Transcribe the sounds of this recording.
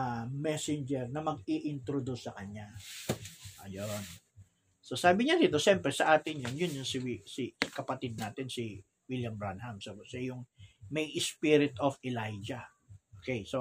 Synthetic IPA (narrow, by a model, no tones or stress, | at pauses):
mɛsɪnd͡ʒɛɾnɐmɐɡɪʔɪnt̪ɾod̪usːɐkɐɲa | ʔɐ̰jon | sosaːbɪɲad̪iːt̪o̞ʃɛmpɾɛsɐʔaːt̪ɪnjʊnjʊnjʊnsɪwsikɐpɐt̪id̪̚naːt̪ɪnsi | wiljɐmbɹanhɐmsosɛjʊŋmɐjʔɪspiɾɪt̪ʔofɛlajd͡ʒɐ | ʔʔoːkejso